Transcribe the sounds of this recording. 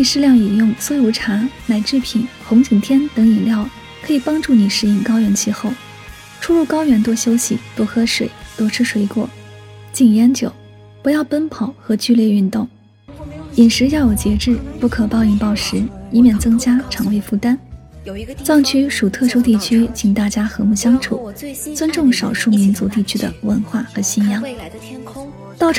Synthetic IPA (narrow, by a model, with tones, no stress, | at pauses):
li˥˧˩ʂɻ̩˥˧ljɑ˥˩ŋi˨˩jʊ˥˩ŋswɔ˥jo˧˥ʊʈ͡ʂʰa˧˥na˨˩ɪʈ͡ʂɻ̩˥˩pʰi˨˩nxʊ˧˥ŋt͡ɕi˨˩ŋt̪ʰjɛ˥nt̪ɤ˧˥ŋi˨˩nljɑ˥˩ʊ | kʰɤ˧˥i˨˩pɑ˥ŋʈ͡ʂu˥˩ni˨˩ʂɻ̩˥˧i˥˩ŋkɑ˥ʊɥɛ˧˥nt͡ɕʰi˥˧xo˥˩ʊ | ʈ͡ʂʰu˥ɻu˥˩kɑ˥ʊɥɛ˧˥nt̪wɔ˥ɕjo˥ʊɕi˨˦t̪wɔ˥xɤ˥ʂwe˨˩ɪt̪wɔ˥ʈ͡ʂʰɻ̩˥ʂwe˧˥ɪkwɔ̰˥˩ | t͡ɕi˥˩ŋjɛ˧˥nt͡ɕjo˨˩˦ʊ | pu˧˥jɑ˥˩ʊpə˥npʰɑ˨˩˦ʊxɤ˧˥t͡ɕy˥˧ljɛ˥˧y˥˧nt̪ʊ˥˩ŋ | i˨˩nʂɻ̩˧˥jɑ˥˩ʊjo˨˩ʊt͡ɕjɛ˧˥ʈ͡ʂɻ̩˥˧pu˥˩kʰɤ˨˩pɑ˥˧ʊi˥˩ŋpɑ˥˩ʊʂɻ̩˧˥i˧˥mjɛ˥˩nt͡sɤ˥ŋt͡ɕja˥ʈ͡ʂʰɑ˨˩ŋwe˥˧ɪfu˥˩t̪a˥n | t͡sɑ˥˧ŋt͡ɕʰy˥ʂu˨˩t̪ʰɤ˥˩ʂu˥t̪i˥˩t͡ɕʰy˥t͡ɕʰi˨˩ŋt̪a˥˩t͡ɕja˥xɤ˧˥mu˥˩ɕjɑ˥ŋʈ͡ʂʰṵ˨˩˦t͡swə˥nʈ͡ʂʊ˥˩ŋʂɑ˨˩ʊʂu˥˩mi˧˥nt͡su˧˥t̪i˥˩t͡ɕʰy˥d̪ə̰˨wə˧˥nxwa˥˩xɤ˧˥ɕi˥˩njɑ˥ŋŋ | t̪ɑ˥˩ʊʈ͡ʂʰ